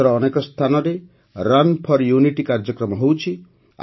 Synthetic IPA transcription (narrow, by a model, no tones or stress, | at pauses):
ɔɾɔːnekɔst̪ʰanɔɾe | ɾanpʰɔɾjuniʈikaɾd͡ʒɔkɾɔmɔɦewt͡ʃʰi